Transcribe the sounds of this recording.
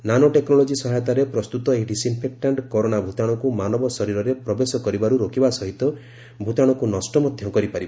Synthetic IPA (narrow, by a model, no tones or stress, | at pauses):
nanoʈeknɔlɔd͡ʒisɔɦajɔt̪aɾepɾɔst̪ut̪ɔekʈisimpʰek̚ʈaɳɖkɔɾoɽ̃abʱut̪aɽ̃ɔkumanɔbɔsɔɾiɾɔɾepɾɔbesɔkɔɾibaɾuɾokibasɔɦit̪ɔ | bʱut̪aɽ̃ɔkunɔsʈɔmɔd̪ʱjɔkɔɾipaɾiba